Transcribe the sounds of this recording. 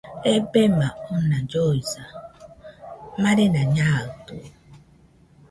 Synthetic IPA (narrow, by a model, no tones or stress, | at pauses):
ebemaʊnad͡ʒoiza | maɾɪnaɲatu